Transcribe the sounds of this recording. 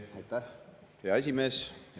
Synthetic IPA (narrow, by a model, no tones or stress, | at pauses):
ɑjt̪ːæh | jɑes̬ʲimeːsj